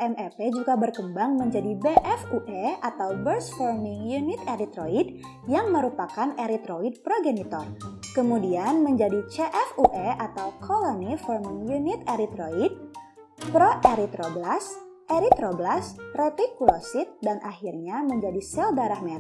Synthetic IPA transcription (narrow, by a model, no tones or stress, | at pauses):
ʔɛmʔɛpɛd͡ʒuɡabərkəmbaŋməɲd͡ʒadibeʔɛfuʔɛat̪awbərsfɔrmɪŋjunɪt̪eɾit̪ɾoid | jaŋməɾupakaneɾit̪ɾoid̚pɾoɡenit̪ɔrkəmudianməɲd͡ʒadit͡ʃeʔɛfuʔɛʔat̪awkʰolonifɔrmɪŋjunit̪eɾit̪ɾoid̚ | pɾoʔeɾit̪ɾoblas | ʔeɾit̪ɾoblasrɛt̪ikulosɪt̪̚danʔaxirɲaməɲd͡ʒadisɛldaɾahmet